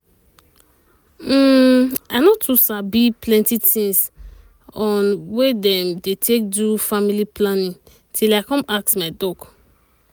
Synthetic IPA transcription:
m̩anɔtʰusabiplɛ̃ntitĩns | ɔ̃nwedɛ̃mdetʰek̚dufamiliplanĩn | tʰilaɪkɔ̃maksmaɪdɔk

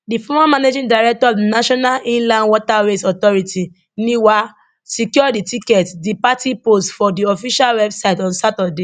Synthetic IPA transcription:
difɔmamaned͡ʒĩdaɪɹɛk̚tɔɔnaʃɔnalʔĩnlãndwɔtaɹesɔtɔɹiti | niwa | sikjɔditikɛtdipatipostfɔdiɔfiʃalwɛbsaɪtɔ̃nsatade

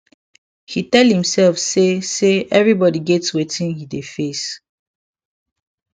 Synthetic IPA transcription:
hitɛlhĩmsɛlfseseʔɛvɹibɔdiɡɛtswetĩnhidefes

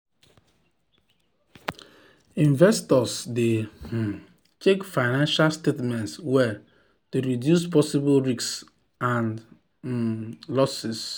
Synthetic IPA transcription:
ĩnvɛstɔsde | t͡ʃekfaɪnãnʃalstetmɛ̃ntswɛ | tuɾidjus̬pɔsibolɹiks | ãn | lɔsis

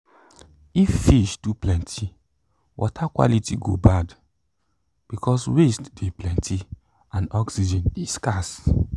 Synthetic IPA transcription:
ifːiʃduplɛ̃ntʰi | wʔɔ̰tʰakwa̰litiɡo̰bad | b̥ikʰɔswestdeplɛ̃ntʰi | ãnɔksid͡ʒɛ̃niskas

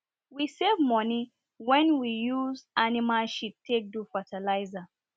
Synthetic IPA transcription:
wisevmɔni | wɛ̃nwijuzanimaʃitʰek̚dufatalaɪza

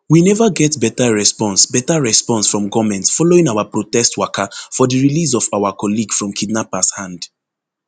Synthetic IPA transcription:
winɛvaɡɛtbɛtaɹɛspɔ̃nsbɛtaɹɛspɔ̃nsfɹɔ̃mɡɔmɛ̃ntfɔloĩŋawapɹotɛstwakafɔdiɹilis̬ɔfawakɔliɡfɹɔ̃mkʰidnapashãnd

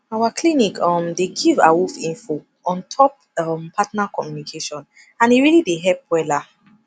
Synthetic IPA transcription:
awaklinikɔ̃mdeɡiva̰wufĩnfo | ɔ̃ntʰɔp̚ | ɔmpʰatnakɔmjunikʰeʃɔ̃n | ãneɹilideɦɛp̚wɛla

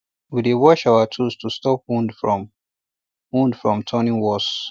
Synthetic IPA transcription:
widewɔʃaʊatʰustustɔpwũndfɹɔ̃m | wũndfɹɔ̃mtʰɔnĩŋwɔs

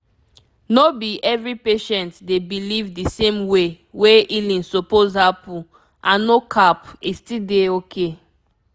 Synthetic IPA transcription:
nobiʔɛvɹipeʃɛ̃ntdebilivdisẽmwe | weilĩnsopozhapu | ʔãnːokʰapistideokʰe

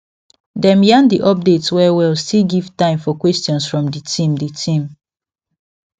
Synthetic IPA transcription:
dɛ̃mjãndiʔɔp̚detswɛwɛlstilɡiv̥tãɪ̃mfɔkwɛstjɔ̃nsfɹɔ̃mditʰĩmditʰĩm

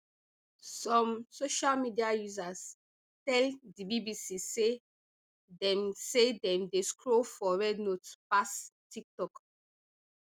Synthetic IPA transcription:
sɔ̃msoʃalmidiajuzas | tɛldibibisise | dɛ̃msedɛ̃mdeskɹofɔɹɛdnotspastik̚tɔk

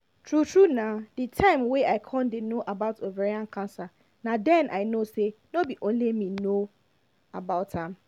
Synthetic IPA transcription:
tʰɹutʰɹunãditʰãɪ̃mweaɪkʰɔ̃ndenõʔabaʊtoveɾiãnkʰãnsa | nãdɛ̃nʔaɪnosɛnobiʔõn̩lemĩnõ | abaʊtãm

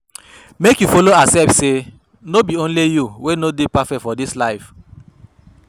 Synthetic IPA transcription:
mekjufoloasɛlfse | nobiõn̩lijuwenodepafɛktfɔdislaɪf

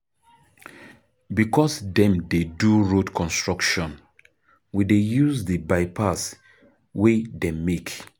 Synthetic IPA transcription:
bikɔsdɛ̃mdeduɹodkʰɔ̃nstɹɔkʃɔ̃n | widejuzdəbaɪpʰas | wedɛmek

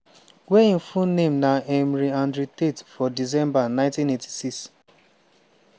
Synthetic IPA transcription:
weĩnfũnẽmnaɛmɾiãndɾitetfɔdizɛ̃mbanãɪ̃ntĩnetʰi̥siks

